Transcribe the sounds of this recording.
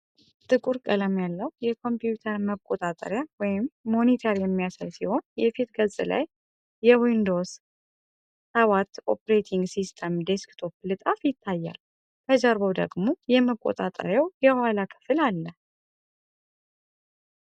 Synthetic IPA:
t̪ʼɨkʼuɾkʼələmjalːəwjɛkʰo̞mpjut̪ʰəɾməkʼot̪ʼat̪ʼə̰ɾjawɔjɪmːo̞nit̪ʰəɾjɛmːijasəlsiho̞njɛfit̪ɡəzʼɨla̰jː | ɛwind̪o̞s | awat̪o̰pɾet̪ʰiŋɡsist̪ʰəmd̪eskt̪ʰo̞plɨt̪ʼafjɪt̪ʰːajːa̰l | kʰəd͡ʒaɾβəwd̪ə̰ɡmo̞jɛməkʼo̰t̪ʼat̪ʼə̰ɾjawjɛhwalakʰɨ̥fɨlalːə

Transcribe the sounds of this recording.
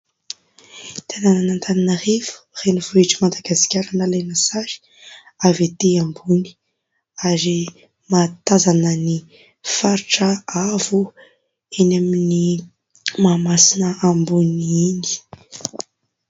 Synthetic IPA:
t̪ʰenananant̪ʰaninərevu̥renivoiʈ͡ʂimad̪aɡasi̥kʲaɾanəlenasaɾi̥ | avet̪eambuni̥ | aɾi | mat̪azanəni | faɾiʈ͡ʂəavu | enamini | mamasinəambuniini̥

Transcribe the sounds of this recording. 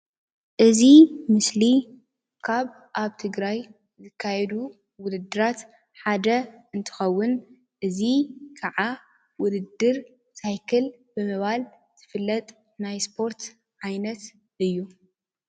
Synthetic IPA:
ʔɨzimɨsli | kʰaβ | ʔaβt̪ʰɨɡɾaj | zɨkʰːajɛd̪u | wʊd̪ɨd̪ːɨɾat̪ | ħad̪ɐɨnt̪ʰɨ̥xɐwːʊn | ʔɨzikʰɐʕa | wʊd̪ɨd̪ɨɾ | sajkʰɨl | bɨmɐβal | z̥ɨfɨlːɐt̪ʼ | najspʰo̞ɾt̪ | ʕajnɐt̪ | ɨjːu

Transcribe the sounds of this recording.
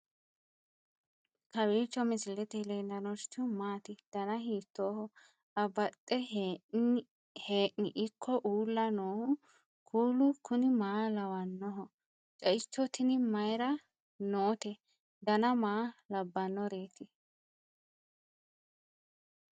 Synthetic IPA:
kɐwiːt͡ʃːɔmɪsɪlːɛt̪ɛlɛnɐnɔɾt͡ʃːʊmaːt̪ɪd̪̥ɐnɐɦiːt̪ːoːhɔ | ɐbɐt̪ʼːɛ | heːʔɪʔɪkʰːɔʔuːlːɐnoːhʊ | kʰuːlʊkʊnɪmaːlɐwɐnːɔɦɔ | t͡ʃʼɐɪt͡ʃːɔt̪ɪnɪmɐjɾɐ | noːt̪ɛ | d̪ɐnɐmaːlɐbːɐnːɔɾeːt̪ɪ

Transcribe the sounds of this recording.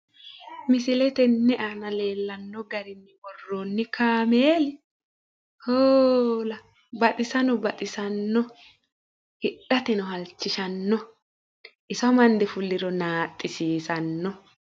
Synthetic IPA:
mɪsɪlɛt̪ɛnːɛʔanɐle̞ːlːɐnːɔɡɐɾɪnːɪbɔrːoːnːɪkaːmeːlɪ | hoːlɐ | bɐt̪ʼɪsɐnɔbɐt̪ʼɪsɐnːɔ | hɪᶑɐt̪ɛnɔɦɐlt͡ʃːɪʃɐnːɔ | ʔɪsɐmɐnd̪ɛfʊlːɪɾɔnaːt̪ʼːɪsiːsɐnːɔ

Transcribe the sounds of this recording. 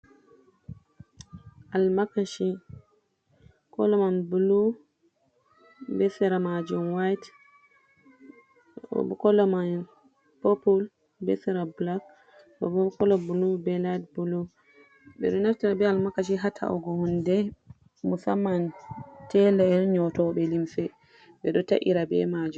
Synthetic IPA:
ʔalmakaʃi | kɔ̰lɔmanbulu | bɛsɛɾamad͡ʒumwajt | ɔ̰bɔkɔlɔman | popul | bɛ̰sɛɾablak | bɔbɔkɔlɔbulubɛladbulu | bɛ̰ɗɔnaftiɾabɛalmakaʃiɦatʰa̰ʔɔ̰ɡɔhɔndɛ | musamːantɛlɛɛnɲɔtɔɓɛlimsɛ | ɓɛɗɔta̰ʔḭɾabɛ̰mad͡ʒum

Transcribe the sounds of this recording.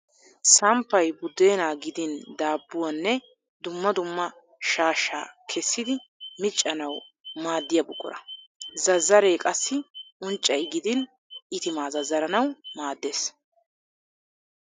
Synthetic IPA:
sɐmpːɐjbʊd̪e̞ːnaːɡɪd̪ɪnd̪aːbːʊwanːɛ | d̪ʊmːɐd̪ʊmːɐ | ʃaːʃːa̰ːkʰɛsːɪd̪ɪmɪt͡ʃʼːɐnɐw | maːd̪ːɪjɐbʊkʼːʊ̰ɾɐ̰zɐzːɐɾe̞ːkʼɐsːɪʔʊnt͡ʃʼːɐjɡɪd̪ɪn | ɪt̪ɪmaːzɐzːɐɾɐnɐwmaːd̪ːe̞ːs

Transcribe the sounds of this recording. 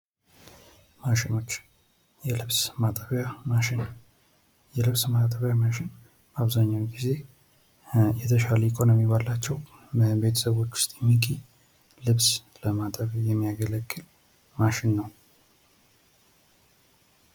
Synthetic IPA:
maʃɪno̞t͡ʃː | jɛlɨβsmat̪ʼəβjaaɪn | jɛlɨβsmat̪ʼəβjamaʃɪn | baβzaɲːawɡize̞ | jɛt̪ʰəʃaləikʰʼo̞nomibalːat͡ʃːɛw | bəbe̞t̪ʰə̥səβwo̞t͡ʃːʊ̥st̪ʼjɛmːikʼi | lɨβsləmat̪ʼəβajɛmːijaɡələɡːɨl | maʃɪnːəw

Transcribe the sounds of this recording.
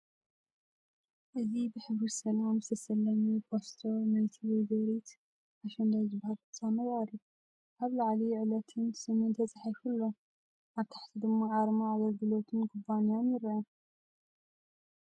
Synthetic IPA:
ʔɨzibɨħɨβɾisɐlamɨst̪ʰɐsɐlːɐmibʰost̪ʰonajt̪ʰiwizɨwɾit̪ | ʔaʃɐnd̪ajzɨbahalkʰɨt͡sʼamɐjɾju | ʔaβlaʕlijʕɨlɐt̪ʰɨnsɨmɨnt̪ʰɐt͡sʼaħajfulːo | ʔaβt̪ʰḁħt̪ʰid̪ɨmːaʕaɾmaʕaɡɐlɡɨlo̞t̪ʰɨnkʰʊbanijanjɪɾɐʔɐ

